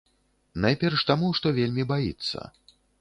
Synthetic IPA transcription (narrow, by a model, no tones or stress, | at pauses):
najpʲɛrʂt̪amuʂt̪ɔvʲelʲmʲibajḭt̪sːɐ̰